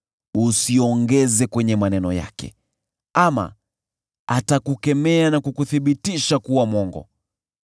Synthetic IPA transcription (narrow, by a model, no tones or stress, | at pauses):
usiɔŋɡɛzɛkwɛɲɛmanɛnɔja̰kɛ̰ | ama̰ | atakukɛmɛanakukuθiɓitiʃakuwamwɔŋɡɔ̰